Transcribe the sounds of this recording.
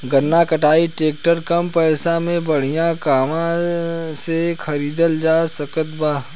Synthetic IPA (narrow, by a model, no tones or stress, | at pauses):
ɡənːakɐʈaːiʈeːk̚ʈəɾkɐmpɛːsãmẽbɐɽ̤ijãkaːmãsexʰɐɾiːd̪əld͡ʒaːsɐkət̪baː